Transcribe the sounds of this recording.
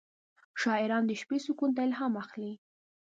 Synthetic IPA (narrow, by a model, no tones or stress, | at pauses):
ʃɑɪɾɑnd̪əʃpesukunt̪̬aɪlɦamaxli